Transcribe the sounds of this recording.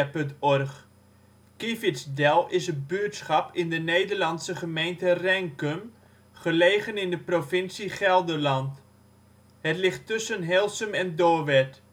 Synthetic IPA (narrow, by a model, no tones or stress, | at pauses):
pɵntɔrχ | kifɪsdɛlˠɪsətbyətsχɑpɪndənejdəɹlɑnsəχəmejntərɛŋkəm | χəlejχənɪndəprofɪnsiχɛlˠdəɹlɑnt | hətlɪχtʏsənɦɛlˠsəmɛndoːʋɛt